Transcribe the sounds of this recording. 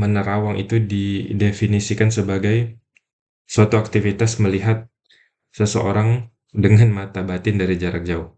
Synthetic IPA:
mənəɾawaŋʔḭt̪udidefinisikansəbaɡaj | suat̪uak̚t̪ifit̪asməliɦat̪̚ | səsəʔoɾaŋ | dəŋanmat̪abat̪ɪndaɾid͡ʒaɾak̚d͡ʒaʊh

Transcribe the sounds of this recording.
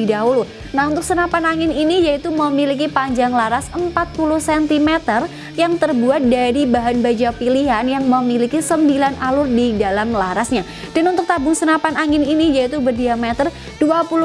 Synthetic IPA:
idaɦulu | naɦunt̪ʊk̚sənapanaŋɪninijait̪uməmilik̬ipaɲd͡ʒaŋlaɾasəmpat̪̚puluhsɛnt̪imɛt̪ər | jaŋt̪ərbuat̪̚daɾibaɦanbad͡ʒapiliɦanjaŋməmilikisəmbilanalʊrdidalamlaɾasɲa | d̥anunt̪ʊk̚t̪abʊŋsənapanaŋɪninijait̪ubərdiamɛt̪ər | d̥uapulu

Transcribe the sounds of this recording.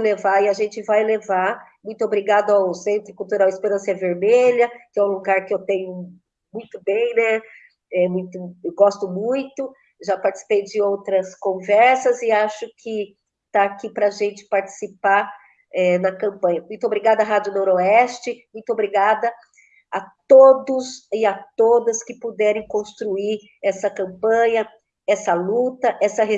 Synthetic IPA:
levaɪaʒẽnt͡ʃɪvajlevamũj̃t̪ʊobɾiɡad̪ʊawsẽnt̪ɾʊkuwt̪uɾawispeɾɐ̃siɐveɾmeʎɐkɪɛũluɡaɾkɪewt̪ẽɲʊ | mũj̃t̪ʊbẽj̃nɛ | ɛmũj̃t̪ʊɡɔst̪ʊmũj̃t̪ʊ | ʒapaɾt͡ʃɪ̥si̥pejd͡ʒɪowt̪ɾɐskõvɛɾsɐzɪaʃʊkʰɪ | t̪aːkipɾɐʒẽnt͡ʃɪ̥paɾt͡ʃi̥sipaɾ | ɛnɐkɐ̃mpɐ̃jɐmũj̃t̪ʊobɾiɡad̪ɐɦad͡ʒʊnoɾoɛst͡ʃɪmũj̃t̪ʊobɾiɡad̪ɐ | ɐt̪od̪ʊsɪat̪od̪ɐskɪpod̪ɛɾẽj̃kõst̪ɾuiɾ | ɛsɐkɐ̃mpɐ̃ɲɐ | ɛsɐlut̪ɐʔɛsɐɦe

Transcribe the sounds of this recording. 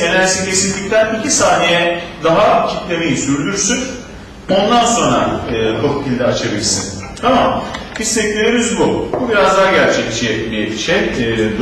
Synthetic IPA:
enæɾsicʰe̞sinʲic̚ʲt̪ʰænicʰisaːnijɛd̪aɦacʰit̪lʲemejisyɾd̪yɾsyn | o̞nd̪anso̞nɾaɯːkʰo̞k̚pʰilʲd̪ʲɛat͡ʃʰabilʲsɯn | t̪ʰamambist̪ɛclʲeɾemizbububiɾazd̪aɟæɾt͡ʃʰɛct͡ʃijɛbiʃej

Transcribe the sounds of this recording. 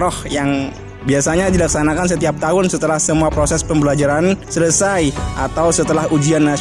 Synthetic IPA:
ɾɔhjaŋ | biasaɲadilaksanakansət̪iap̚t̪aɦʊnsət̪əlahsəmuapɾosɛspəmbəlad͡ʒaɾansələsajʔat̪awsət̪əlahud͡ʒianːa

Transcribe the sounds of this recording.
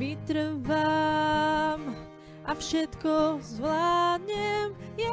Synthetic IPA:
it̪ɾva | m | ʔafʃɛt̪kɔzvlaːd̪ɲɛmjɛ

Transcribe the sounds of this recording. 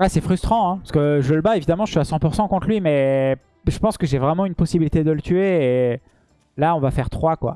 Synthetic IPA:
wɛsɛfχyst̪χɑ̃ɛ̃paskəʒələbaevid̪amɑ̃əʃiasɑ̃puʁsɑ̃kɔ̃t̪χlɥimɛ | ʒ̥əpɑ̃skəʒevʁɛmɑ̃ynpɔsibilit̪ed̪ələt̪yeː | laɔ̃vafɛʁt̪χwakwa̰

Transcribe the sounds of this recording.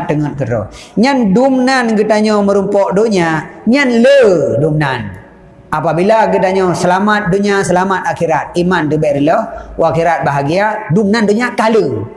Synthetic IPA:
t̪əŋət̪̚kəɾɔ̰ɲandumnanɡət̪aɲɔməɾumpɔʔdoɲaɲanlədumnan | apabilaɡət̪aɲɔsəlamat̪̚doɲasəlamat̪̚akiɾat̪̚imantəbɛʔɾilɔhwakiɾat̪̚baɦaɡiadumnandoɲaʔkalə

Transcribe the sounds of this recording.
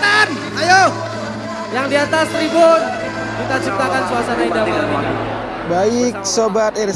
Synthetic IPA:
an | ajo | jaŋdiat̪ast̪ɾibʊn | kit̪at͡ʃip̚t̪akansuasanaidama | baik̚sobat̪ɛr

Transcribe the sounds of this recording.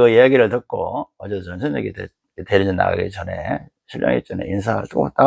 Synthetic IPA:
ɯijaɡiɾɯɭtɯt̚k͈o̰ʌd͡ʑeʌnsʰʌneɡite | ete̞ɾiɲʌnːa̰wa̰ɡḭt͡ɕʌne̞̰ | ɕʰiʎjʌ̰ŋḭt͡ɕ͈ʌnḛins̬ʰaɯ̰ɭt͈ot͈a

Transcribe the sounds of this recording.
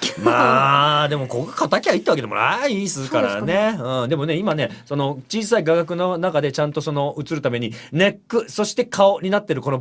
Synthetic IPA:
mad̪e̞mo̞kokakat̪akʲiait̪ːeβaked̪emo̰aisɨkaɾa̰ne̞ɯ̟̃ːɴd̪e̞mo̞ne̞imane̞so̞no̞t͡ɕiːsaiɡaɡak̬ɯ̟no̞nakad̪et͡ɕãnt̪o̞so̞no̞ɯ̟t͡sɨɾɯ̟t̪ame̞ɲ̟ine̞kːɯ̟so̞ɕi̥t̪e̞kʰao̞ɲ̟inat̪ːe̞ɾɯ̟ko̞no

